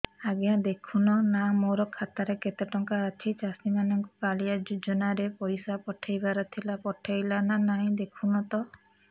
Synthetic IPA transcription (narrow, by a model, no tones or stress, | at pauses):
aɡjãd̪ekʰunɔnamoɾɔkʰat̪aɾeket̪eʈɔŋkaːt͡ʃʰit͡ʃast̪imanɔŋkupalijad͡ʒud͡ʒɔnaɾepɔjsapɔʈʰajbaɾɔt̪ʰilapɔʈʰajlananaɦĩd̪ekʰunɔt̪ɔ